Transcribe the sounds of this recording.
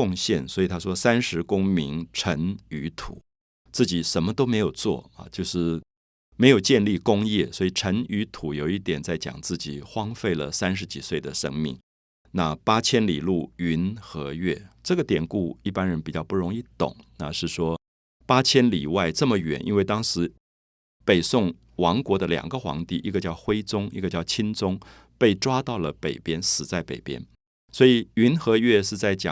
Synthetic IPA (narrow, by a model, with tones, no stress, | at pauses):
ʊ˥˧ŋɕjɛ̰˥˩nswɔ˧˥i˨˩t̪ʰa˥ʂwɔ˥sa˥nʂɻ̩˧˥kʊ˥ŋmi˧˥ŋʈ͡ʂʰə˧˥ny˧˥t̪ʰṵ˨˩˦ | t͡sɹ̩˥˩t͡ɕi˨˩ʂə˧˥nmə˧t̪o˥ʊme˧˥ɪjo˨˩ʊt͡swɔ̰˥˩ɐ̰˨˩t͡ɕjo˥˧ʊʂɻ̩˥˩ | me˧˥ɪjo˨˩ʊt͡ɕjɛ˥˧nli˥˩kʊ˥ŋjɛ˥˩swɔ˧˥i˨˩ʈ͡ʂʰə˧˥ny˧˥t̪ʰu˨˧˥jo˨˩ʊi˥˩t̪jɛ˨˩nt͡sa˥˩ɪt͡ɕjɑ̰˨˩ŋt͡sɹ̩˥˩t͡ɕi˨˩xwɑ˥ŋfe˥˩ɪlə̰˩sa˥nʂ̬ɻ̩˧˥t͡ɕi˨˩swe˥˩ɪd̪ə˩ʂə̰˥ŋmḭ˥˩ŋ | na˥˩pa˥t͡ɕʰjɛ˥nli˨˩lu˥˩y˧˥nxɤ˧˥ɥɛ˥˩ʈ͡ʂɤ˥˩ɡə˩t̪jɛ˨˩nku˥˩i˥˩pa˥nɻə˧˥npi˨˩t͡ɕjɑ˥˧ʊpu˥˩ɻʊ˧˥ŋi˥˧t̪ʊ̰˨˩˦ŋna̰˥˧ʂɻ̩˥˩ʂwɔ˥ | pa˥t͡ɕʰjɛ˥nli˨˩wa˥˧ɪʈ͡ʂɤ˥˩mə˩ɥɛ̰˨˥nʔḭ˥nwe˥ɪt̪ɑ˥ŋʂɻ̩˧˥ | pe˨˩ɪsʊ˥˩ŋ | wɑ˧˥ŋkwɔ˧˥d̪ə˧ljɑ̰˨˩ŋɡə˦xwɑ̰˧˥ŋt̪i˥˩ʔi˥ɡə˧t͡ɕjɑ˥˩ʊxwe˥ɪt͡sʊ˥ŋḭ˥˧ɡə˧t͡ɕjɑ˥˩ʊt͡ɕʰi˥nt͡sʊ˥ŋ | pe˥˩ɪʈ͡ʂwa˥t̪ɑ˥˩ʊlə˩pe˨˩ɪpjɛ˥nsɹ̩˨˩t͡sa˥˩ɪpḛ˨˩ɪpjɛ̰˥n | swɔ˧˥i˨˩y˧˥nxɤ˧˥ɥɛ˥˧ʂɻ̩˥˧t͡sa˥˩ɪt͡ɕjɑ̰˨˩˦ŋ